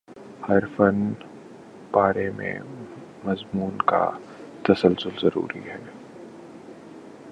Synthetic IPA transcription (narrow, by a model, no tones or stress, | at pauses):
hɐɾfən | b̥aːɾemḛ̃ | mɐzmuːnka̰ | t̪ɐsəlsʊlzɐɾṵːɾḭɦɛː